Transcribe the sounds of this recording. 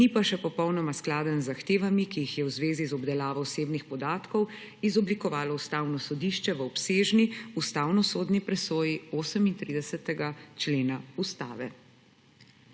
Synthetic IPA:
nipaʃɛpɔpɔwnɔmasklaːd̪ənzːaxt̪eːʋamikijixjɛwzʋeːzizɔbd̪ɛlaːʋɔwseːbnixpɔd̪aːt̪kɔw | izɔblikɔʋaːlɔust̪aːwnɔsɔd̪iːʃt͡ʃɛʋəɔpseːʒniust̪aːwnɔsoːd̪nipɾɛsoːjioːsəmint̪ɾiːd̪ɛsɛt̪ɛɡat͡ʃleːnaust̪a̰ːʋɛ

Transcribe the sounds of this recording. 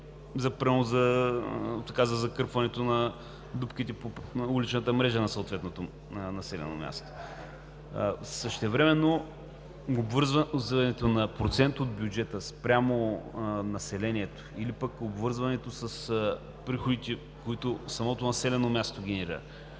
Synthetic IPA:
zɐpɾiozɐ | t̪ɐ̥kazəzɐkɤɾpvɐnɛt̪onɐ | d̪upk̟it̪ɛpoulit͡ʃnət̪əmɾɛʒənɐsot̪vɛt̪not̪o | nɐsɛlɛ̰no̰mʲja̰st̪o̥ | səʃt̪ɛvɾɛmɛnːo | obvəɾzvɐzvɐnɛt̪onɐpɾot̪sɛnt̪od̪̚bʲjud͡ʒɛt̪əspɾʲamonɐsɛlɛniɛt̪o̥ilipəkobvɤɾzvɐnɛt̪osəs | pɾixod̪it̪ɛ | koit̪osɐmɔt̪onɐsɛlɛnomʲast̪oɡ̟ʲɛnɛɾiɾə̰

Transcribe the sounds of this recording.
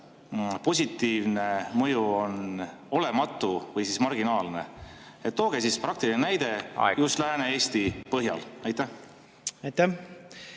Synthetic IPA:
po̞s̬ʲit̪ːiːvne̞mɤjuo̞no̞le̞mɑt̪ːˑuvɤjsismɑrɡinɑːlne̞̰ | et̪ːo̞ːɡ̥esispɾɑk̚t̪ilinenæjd̪e̞just̪læːneeːst̪ipɤɦjɑ̰lɑjt̪ːæh | ɑjt̪æ

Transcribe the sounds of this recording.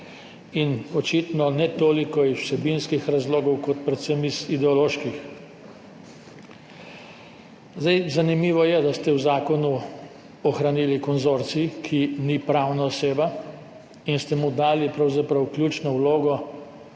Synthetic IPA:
inɔt͡ʃit̪nɔnɛt̪oːlikɔizwsɛbinskixɾazloːɡɔwkɔt̪̚pɾɛt̪semizid̪ɛɔloːʃkix | zd̪ajzanimiːʋɔjɛd̪ast̪ɛwzaːkɔnu | ɔxɾaniːlikɔnzoɾt̪sikʰinipɾawnaɔseːba | inst̪ɛmud̪aːlipɾawzapɾawklʲjuːt͡ʃnɔwloːɡɔ

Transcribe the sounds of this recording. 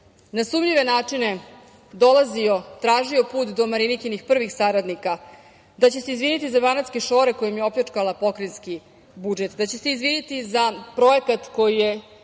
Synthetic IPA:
nasuːmʎiʋe̞naːt͡ʂine̞ | d̪o̞lazio̞t̪ɾaːʒio̞puːt̪d̪o̞maɾinikinixpr̩ʋixsaɾad̪nika | d̪at͡ɕe̞seizʋinit̪izabanat̪ske̞ʃo̞ːɾe̞ko̞jomjeo̞plat͡ʂkalˠapo̞kɾenski | bud͡ʒe̞t̪d̪at͡ɕe̞se̞izʋinit̪izapɾo̞e̞kat̪ko̞jije

